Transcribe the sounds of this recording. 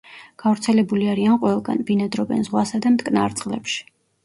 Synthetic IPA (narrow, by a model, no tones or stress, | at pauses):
ɡ̥avɾt̪sʰɛlɛbuliaɾianqʼwɛlˠɡa̰nbinɛd̪ɾɔbɛ̰nzʁwasad̪amt̪kʼnaɾt̪sʼqʼlɛ̰pʃi̥